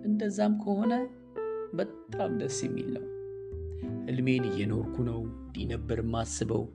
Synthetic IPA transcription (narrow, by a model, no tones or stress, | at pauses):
ʔɨnd̪əzːamkʰəho̞nə | bət̪ʼːamd̪əsjɛmːḭlːə̰w | ʔɨlme̞nɨjɛno̞ɾkʰunəwd̪inəbːəɾɨmːasːɨβə̰w